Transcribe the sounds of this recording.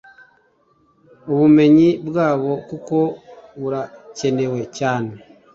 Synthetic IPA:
oβume̞ɲibwaːβo̞kuko̞βuɾace̞ne̞we̞caːne

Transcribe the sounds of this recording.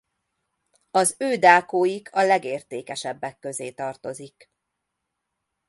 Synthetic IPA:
ɒzøːd̪aːkoːjiɡʰɒlɛɡeːrt̪eːkɛʃɛbːɛkːø̞zeːt̪ɒrt̪o̞zik

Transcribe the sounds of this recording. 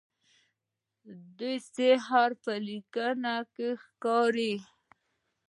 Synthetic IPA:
d̪ujseɦaɾpəlikənakexkɑɾi

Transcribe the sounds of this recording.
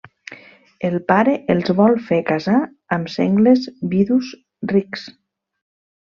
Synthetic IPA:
elˠpaɾeʔelˠzβɔlˠfekaza | əmsɛŋɡlezbiðus | riks

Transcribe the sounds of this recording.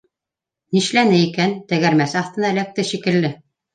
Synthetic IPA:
niʃlænɘikænt̪æɣæɾmæsɑθt̪ɤ̆nɑælæk̚t̪ɘʃikɘ̆lːɘ

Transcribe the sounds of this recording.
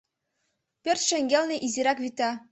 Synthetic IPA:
pʲørʲt̪ʲʃɘ̆ŋɡʲelʲnʲeʔiziɾɑkβʲit̪ɑ

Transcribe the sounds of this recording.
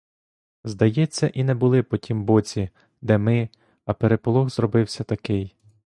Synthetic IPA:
zd̪ɐjɛt͡sʲːɐʔinɛbʊlˠɪpɔtʲimbɔt͡sʲi | d̪ɛmɪ | ɐpeɾepɔlˠɔxzrɔbɪwsʲɐt̪ɐkɪj

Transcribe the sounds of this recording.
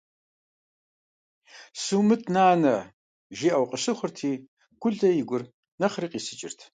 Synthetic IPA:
suːmɨtʰnaːnɐ | ʒiʔɐwqʼəɕɨχʷʊrtʰiː | ɡ̥ʷʊɮdɐjɪɡʷʊr | nɐχriːqʼiːsɨt͡ʃʼɪ̰rtʰ

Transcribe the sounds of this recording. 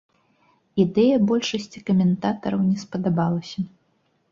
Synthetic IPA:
id̪ɛjɐbɔlʲʂɐsʲt͡sʲi̥kɐmʲɛnt̪at̪ɐɾɐwnʲɛspɐd̪abalˠɐsʲɐ

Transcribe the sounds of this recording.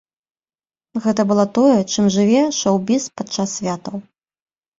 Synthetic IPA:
ɣɛt̪ɐbɨlˠɔt̪ɔjɛt͡ʂɨmʐɨvʲɛʂɔwbʲispat͡ʂasːʲvʲat̪ɐw

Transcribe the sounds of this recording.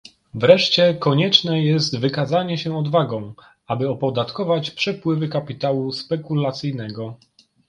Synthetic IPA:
vɾɛʂt͡ɕɛkɔɲɛt͡ʂnɛjɛst̪vɘkazaɲɛɕɛɔd̪vaɡɔ̃w̃ | abɘɔpɔd̪at̪kɔvat͡ɕpʂɛpwɘvɘkapʲit̪awuspɛkulat̪sɘjnɛɡɔ

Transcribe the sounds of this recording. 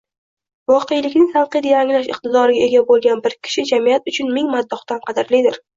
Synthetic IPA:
vɒqʰejlɪkʲnɪŋt̪ɑlˠqɨjd̪ajaŋlaʃɪ̰qt̪ɪd̪ɒɾɪɡʲae̞ɡʲabolˠɡʲanbɪɾkʲʰɪ̥ʃɪd͡ʒamijat̪ʊt͡ʃʰʊnmɪŋmad̪ːɒχt̪anqʰɑd̪ɪɾlid̪ɪɾ

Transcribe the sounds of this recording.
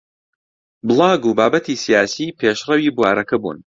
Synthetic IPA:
bɨlˠɑːɡuːbaːbɐt̪ʰiːsijaːsiːpʰeʃrɐwiːbwaːɾɐkɐbṵːn

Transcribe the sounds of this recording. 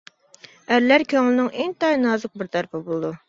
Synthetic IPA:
æɾlæɾkʲøŋlɪnɪŋʔeŋt̪ɑjnɑːzəq̚bɪɾt̪ʰæɾpʰɪbolˠɨd̪u

